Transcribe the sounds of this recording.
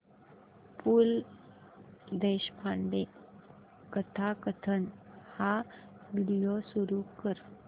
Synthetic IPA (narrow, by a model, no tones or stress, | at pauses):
pul | d̪eɕpʰaɳɖe | kət̪ʰakət̪ʰənhaʋiɽijosuɾukəɾ